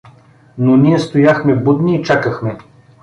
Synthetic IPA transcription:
nonʲiɛst̪ojaxmɛbud̪niːt͡ʃakəxmɛ

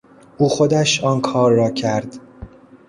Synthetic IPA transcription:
ʔuːxod̪æʃɒːnkʰɒːɾːɒːcʰæɾd̪̥

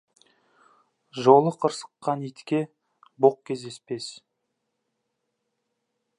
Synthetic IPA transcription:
ʒolˠəqʰəɾsə̥qːɑnijt̪kʲe̞ | boq̚kʲʰe̞zd̪e̞spe̞s

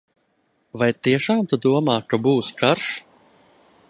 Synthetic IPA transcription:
vajt̪iɛʃaːmt̪ad̪uɔmaːkabuːskaɾʃ

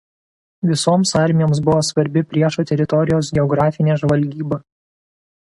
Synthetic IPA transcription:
ʋʲɪsoːmsɑˑɾʲmʲɪjoːms̬bʊʋoːsʋɐɾʲbʲɪpʲɾʲiɛʃuːt̪ʲɛɾʲɪt̪ɔɾʲɪjoːsɡʲɛɔɡɾɑːfʲɪnʲeːʒʋɐlʲɡʲiːbɐ

